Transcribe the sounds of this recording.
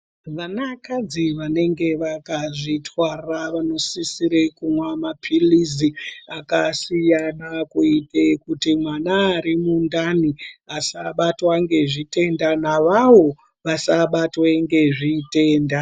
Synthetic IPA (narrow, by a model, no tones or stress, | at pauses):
ʋanakad͡ziʋane̞ŋɡe̞ʋakaʐitʰwaraʋano̞sisiɾekumwamapʰiliziakasijanakuitekutimwanaːɾimundaniasaɓatwaŋɡe̞ʐite̞ndanaʋawo̞ | ʋasaɓatweŋɡe̞ʐite̞ːnda